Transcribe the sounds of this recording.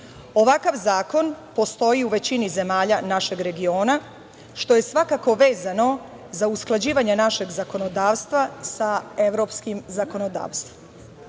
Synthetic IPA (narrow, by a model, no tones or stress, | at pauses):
o̞ʋakaʋzaːko̞npo̞st̪o̞jiuʋe̞t͡ɕinize̞maːʎanaʃe̞ɡɾe̞ɡio̞ːna | ʃt̪o̞je̞sʋakako̞ʋe̞ːzano̞ | zausklˠad͡ʑiːʋaɲenaʃe̞ɡzako̞no̞d̪aːʋst̪ʋasae̞ʋɾopskimzako̞no̞d̪a̰ːʋst̪ʋom